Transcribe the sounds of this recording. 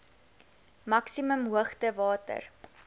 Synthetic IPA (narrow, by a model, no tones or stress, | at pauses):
mɐksiməmɦuəχtəvɑːtə̰r